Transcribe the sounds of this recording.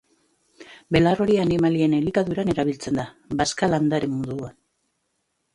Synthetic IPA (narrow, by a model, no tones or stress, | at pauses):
be̞laro̞ɾianimalienelikaðuɾane̞ɾaβ̞ilt͡se̞nd̪a | baskaland̪aɾe̞mmuðuan